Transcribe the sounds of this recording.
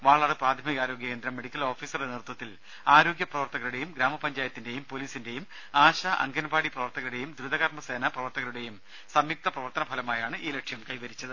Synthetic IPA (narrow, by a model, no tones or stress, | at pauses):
ʋaːɭaːɽɨpraːd̪ʱɐmiɣaːɾo̞ːɡjɐke̞ːnd̪ɾɐmːe̞ɽikʲːɐlo̞ːfiːsɐrenert̪wɐt̪ːil | aːɾo̞ːɡjɐprɐʋɐrt̪ɐɣɐluɽe̞jumɡɾaːmɐpɐɲd͡ʑaːjɐt̪ːinde̞jumpo̞liːsinde̞jum | aːɕaʔɐ̰ŋɡɐnɐbʱaːɽiprɐʋɐrt̪ɐɣɐluɽe̞jumd̪ɾud̪ɐɣɐrmɐse̞ːnɐprɐʋɐrt̪ɐɣɐluɽe̞jum | sɐmjik̚t̪ɐprɐʋɐrt̪ɐnɐbʱɐlɐmaːjaːɳɨʔiːlekʂjɐmkɐjʋɐɾit͡ɕːɐðɨ